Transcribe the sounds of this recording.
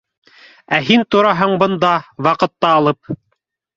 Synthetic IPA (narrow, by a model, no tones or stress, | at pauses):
æɦint̪ŏɾɑɦɤɴbɤ̆nd̪ɑwɑqɤ̆t̪ːɑːlˠɤp̚